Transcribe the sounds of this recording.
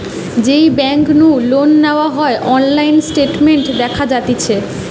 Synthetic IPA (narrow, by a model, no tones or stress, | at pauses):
d͡ʑejbɛŋknulonːeoaɦɔeʔɔnlajnsʈeʈmeɳʈd̪ɛkʰad͡ʑat̪it͡ɕʰe